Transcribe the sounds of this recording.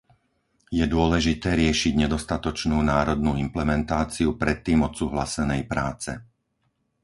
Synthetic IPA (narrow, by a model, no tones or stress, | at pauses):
jɛd̪ʊɔlɛʒit̪ɛːɾɪɛʃiɟɲɛd̪ɔst̪at̪ɔt͡ʃnuːnaːɾɔd̪nuːimplɛmɛnt̪aːt͡siupɾɛt̪ːiːmɔt̪suːɦlasɛnɛjpɾaːt͡sɛ